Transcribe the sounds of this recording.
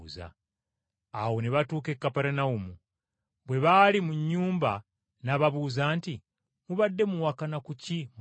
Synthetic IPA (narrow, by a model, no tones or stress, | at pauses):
za̰ | awo̞neβatuːke̞kːapeɾenaumu | βwe̞βalimuɲːuːmba | naβaβuːzaːnti | muβadːe̞muwakanakucim